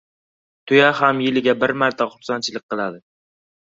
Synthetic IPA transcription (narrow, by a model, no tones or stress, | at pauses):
t̪ʰʊjaɦamjɪlɪɡʲabɪɾmaɾt̪ʰaχʊɾsant͡ʃʰɪlɪk̚ʲqʰɨlˠad̪ɪ